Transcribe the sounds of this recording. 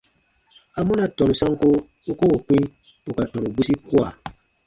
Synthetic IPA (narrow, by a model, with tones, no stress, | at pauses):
a˨mɔ̃˦na˨tɔ̃˨nu˨sã˦ŋ˦ko˦ | u˦ko˦o˨kĩ˦ | u˨ka˨tɔ̃˨ɾu˨ɡ͡bu˦si˦ku˦a˨